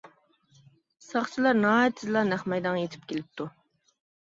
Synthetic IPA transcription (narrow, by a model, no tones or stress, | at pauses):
sɑχt͡ʃʰilˠɑɾnɑːt̪ʰːɨzlˠɑnæχmɑjd̪ɑŋjet̪ʰɪ̥p̚kʲelɪp̚t̪ʰu